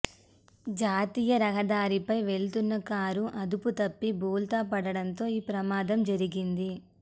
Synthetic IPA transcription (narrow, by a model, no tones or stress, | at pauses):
d͡ʒaːt̪iːjɐɾɐɦɐd̪aːɾipɐjʋe̞ɭt̪unːɐkaːɾuʔɐd̪uput̪ɐpːibuːlt̪aːpɐɽɐɽɐnt̪o̞ːiːpɾɐmaːd̪ɐmd͡ʒɐɾiɡind̪i